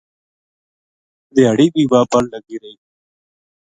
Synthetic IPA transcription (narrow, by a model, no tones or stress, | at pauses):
d̪ɪjaːɽiːbiːbaːpəlləɡiːɾəiː